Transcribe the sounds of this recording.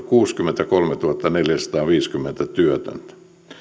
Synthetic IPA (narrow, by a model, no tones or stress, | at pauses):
kuːskymːˑent̪ækolmet̪uhɑt̪ːɑneljæsɑ̥t̪ɑːʋiːskymːent̪æt̪yøt̪ø̰nt̪æ̥